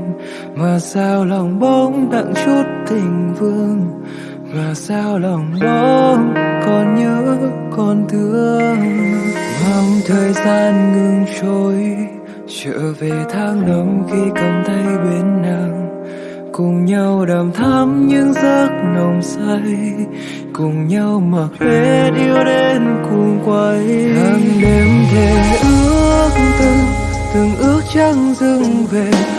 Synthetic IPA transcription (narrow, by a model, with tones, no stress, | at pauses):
vaː˨˩saː˧wlɔ˨˩wŋ͡mɓə˧ŋ͡mɗa̰˧˨ŋsu˦˥t̚t̪ʰï˨˩ŋ̟vɨ˧əŋ | vaː˨˩saː˧wlɔ˨˩wŋ͡mɓo˧˦kɔ˨˩nɲə˧˦kɔ˧˩nt̪ʰɨ˨˦ə | ma˨˧mt̪ʰəː˨˩jzaː˧nŋɨ˧ŋt͡ɕo˨˦j | t͡ɕə̰ː˧˨ve˨˩t̪ʰaː˧ŋnə˨˦ŋ͡mxi˧kə˨˩mt̪ʰə˧jɓe˨˦nːa˨˩ŋ | kʊ˨˩ŋ͡mɲa˧wɗaː˨˩mt̪ʰaː˧˥mɲɨ˧˥ŋzə˦˥k̚nə˨˩wŋ͡msa˧j | kʊ˨˩ŋ͡mɲa˧wmaː˨˩le˨˦ɗi˧əwɗe˧nkʊ˨˧˩ŋkwə˧˦ja˨˧˩nɗe˨˦mt̪ʰe˨˩ʔɨ˧˦əəəək̚t̪ɨ˧ŋ | t̪ɨ˨˩ŋʔɨ˦˥ək̚t͡ɕa˧ŋzɨ˧ŋve˨˩